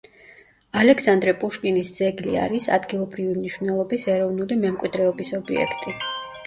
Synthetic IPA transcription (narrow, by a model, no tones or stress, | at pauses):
alɛksand̪ɾɛpʼuʃkʼinisd̪z̥ɛɡlḭa̰ɾisa̰d̪ɡilˠɔbɾivimniʃvnɛlˠɔbisɛɾɔvnulimɛmkʼwid̪ɾɛɔbisɔbḭɛ̰kʰt̪ʼi